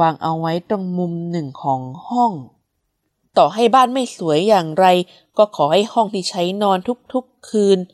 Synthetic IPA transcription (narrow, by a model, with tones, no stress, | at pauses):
aː˧ŋʔa˧wːa˦˥jt̪o˥˩ŋmu˧mnɯ˨˩ŋkʰɔː˩˦ŋhɔ˥˩ŋ | t̪ɔː˨˩ɦa˥˩jbaː˥˩nma˥˩jsu˩˦əjːaː˨˩ŋɾa˧j | kɔː˥˩kʰɔː˩˦ha˥˩jhɔ˥˩ŋt̪ʰiː˥˩t͡ɕʰa˦˥jnɔː˧nt̪ʰu˦˥k̚t̪ʰu˦˥kʰːɯː˧n